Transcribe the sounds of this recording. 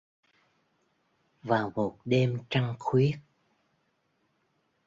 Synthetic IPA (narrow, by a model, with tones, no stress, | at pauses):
vaː˨˩wmo˨˩t̚ɗe˧mt͡ɕa˧ŋxwi˦˥ət̚